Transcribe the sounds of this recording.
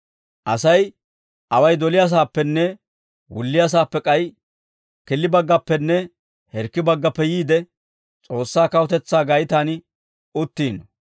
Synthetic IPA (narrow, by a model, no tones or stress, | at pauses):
ʔɐsɐj | ʔɐwɐjd̪ɔlɪjas̬aːpːɛnːɛ | wʊ̰lːɪjas̬aːpːɛkʼɐj | kɪlːɪbɐɡːɐpːɛnːɛ | hɛɾkːɪbɐɡːɐpːɛjiːd̪ɛ | t͡sʼo̞ːsːaːkɐwɔt̪ɛt͡sːaːɡɐjɪt̪aːn | ʊt̪ːiːnɔ